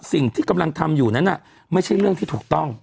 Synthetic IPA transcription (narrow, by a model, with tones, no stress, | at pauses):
si˨˩ŋt̪ʰiː˥˩ka˧mla˧ŋt̪ʰa˧mjuː˨˩na˦˥nʔa˨˩ | ma˥˩jt͡ɕʰa˥˩jɾɯ˥˩əŋt̪ʰiː˥˩t̪ʰːk̚t̪ɔ˥˩ŋ